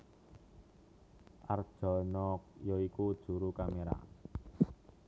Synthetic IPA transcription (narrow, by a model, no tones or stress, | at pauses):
ʔard̥ʒ̥ɔ̤nɔk̚jɔikud̥ʒ̥ṳɾukameɾa̰